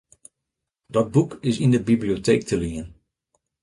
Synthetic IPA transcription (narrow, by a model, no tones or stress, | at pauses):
dɔt̚bukɪsindəbiblioteːk̚tʰəliən